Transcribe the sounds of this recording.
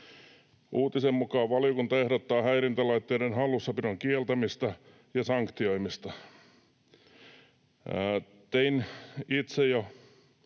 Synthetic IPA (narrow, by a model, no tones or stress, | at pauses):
ʔuːt̪isemmukɑːʋɑliokunt̪ɑehɾot̪ːɑːhæirint̪ælɑit̪ːeidenhɑlːusːɑpinoŋkielt̪æmist̪ɑ | jɑsɑŋkt̪ioimist̪ɑ | t̪einit̪sejo